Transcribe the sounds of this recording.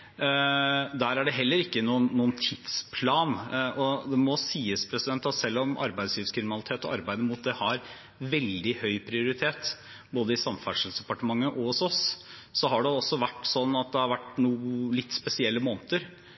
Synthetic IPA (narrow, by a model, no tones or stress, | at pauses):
d̪æːɾæɖɛɦɛlːəɾɪkːənuːənːuːənt̪ʰɪt̪spʰlɑːnʔɔd̪ɛmɔsiːəspʰɾɛsɪd̪ɛnt̪ɑt̪sɛlːɔmʔɑ̰ɾbæɪd̪sjiːʋskʰɾɪmɪnɑlɪt̪ʰeːt̪ɔɑɾbæɪd̪əmʊt̪̚d̪ɛhɑɾ | ʋɛld̪ɪhœʏpʰɾɪʊɾɪt̪ʰeːt̪ | boːd̪əɪsɑmfæʂəl̩sd̪ɛpɑʈəmɑŋːəʔɔhɔsɔs | sɔɦɑɖɛɔsːɔʋæʈːsɔnːɑt̪̚d̪ɛhɑɾʋæʈːnuːlɪt̪ːspɛsɪɛlːəmoːnət̪əɾ